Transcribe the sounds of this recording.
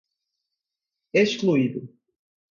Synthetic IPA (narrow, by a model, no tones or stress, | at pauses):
eʃkluid̪ʊ